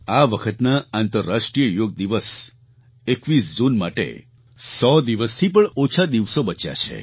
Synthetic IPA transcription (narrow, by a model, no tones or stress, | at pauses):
aʋəkʰət̪naant̪əɾːaʂʈɾijəjoɡ̚d̪iʋəs | ekʋisd͡ʒunmaʈḛ | sɔd̪iʋəst̪ʰipəɳot͡ʃʰad̪iʋsobət͡ʃja̰t͡ʃʰḛ